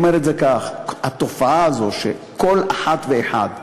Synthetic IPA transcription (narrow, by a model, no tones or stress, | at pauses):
meʁetzekaχhat̪o̞faaazo̞ʃḛko̞laħat̪veeħa̰d̪